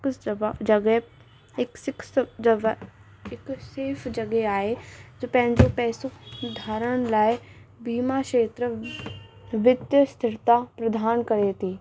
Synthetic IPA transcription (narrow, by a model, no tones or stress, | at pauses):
ksd͡ʒəɡɛ | ɪkɪks | ɪkseːpʰd͡ʒəɡeaːed͡ʒopɛ̃ɦnd͡ʒoːpɛːsukd̪ʱaːɾəɽ̃laebiːmakeːt̪ɾə | ʋɪd̪jəst̪ʰɪɾt̪apɾəd̪ʱaːnkəɾeːt̪iː